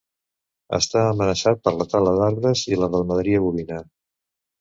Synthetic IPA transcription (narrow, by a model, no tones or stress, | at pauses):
ə̰st̪aəmənəsat̪̚pəɾlət̪aləðaɾðəziləðəlˠməðɾiəβuβina